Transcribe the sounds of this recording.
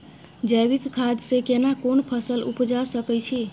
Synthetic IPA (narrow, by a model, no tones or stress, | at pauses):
d͡ʒəjbikkʰːad̪sekenakonpʰəsəlṵpd͡ʒasəkɛt͡ʃʰi